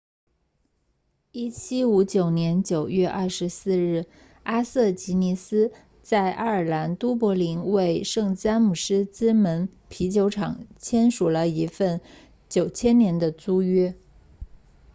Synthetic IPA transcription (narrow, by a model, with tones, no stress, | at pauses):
i˥˩t͡ɕʰi˥u˧˥t͡ɕjo˨˩ʊnjɛ˧˥nt͡ɕjo˨˩ʊɥɛ˥˧ʔɐ˥˩ʂɻ̩˧˥sɹ̩˥˧ɻɻ̩˥˩ | a˥sɤ˥˩t͡ɕi˧˥ni˧˥sɹ̩˥ | t͡sa˥˩ɪʔa̰˥ə˞˨˩la˧˥nt̪u˥p̬wɔ˧˥li˧˥ŋwe˥˧ɪʂɤ˥˩ŋt͡sa˥nmu˨˩ʂɻ̩˥t͡sɹ̩˥mə˧˥npʰi˧˥t͡ɕjo˧˥ʊʈ͡ʂʰɑ˨˩˦ŋt͡ɕʰjɛ˥nʂu˨˩lə˦i˧˥fə˥˩n | t͡ɕjo˨˩ʊt͡ɕʰjɛ˥nnjɛ˧˥nd̪ə˧t͡su˥ɥɛ˥